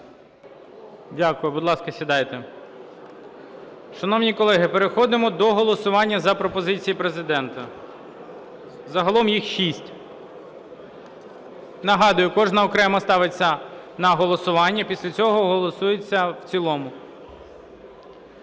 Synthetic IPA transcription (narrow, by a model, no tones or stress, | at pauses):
dʲakʊjʊbʊd̪lˠɑskɐsʲʋʲid̪ɑjt̪e | ʃɐnɔwnʲikɔlˠɛɦɪpeɾexɔd̪ɪmɔd̪ɔɦɔlˠɔsʊʋɑnʲːɐzɐpɾɔpɔzɪt͡sʲijipɾe̞zɪd̪ɛnt̪ɐ | zɐɦɐlˠɔmjixʃisʲtʲ | nɐɦɑd̪ʊjʊkɔʒnɐɔkɾɛmɐst̪ɑʋɪt͡sʲːɐnɐɦɔlˠɔsʊʋɑnʲːɐpʲisʲlʲɐt͡sʲɔɦɔɦɔlˠɔsujet͡sʲːɐwt͡sʲilˠɔmʊ